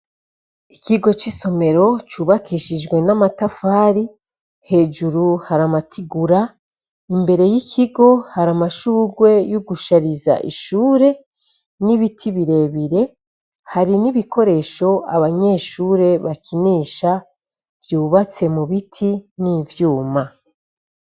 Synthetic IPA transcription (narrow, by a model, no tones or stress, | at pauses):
ikʰiɡo̞t͡ʃiso̞me̞ɾo̞t͡ʃuːβakʰiːʃid͡ʒɡwe̞namatafaːɾi | he̞ːd͡ʒuɾuhaɾamatʰiɡuɾa | imbe̞ɾe̞jikʰiɡo̞haɾamaʃuːɡwe̞joɡuʃaɾiza̰ʔḭʃuːɾe̞ | niβitʰiβiɾe̞βiɾe̞ | haɾiniβikʰo̞ɾe̞ʃo̞a̰βaɲe̞ːʃuːɾe̞βakʰiniːʃa | vjuːβat͡se̞muβitʰinivjuːma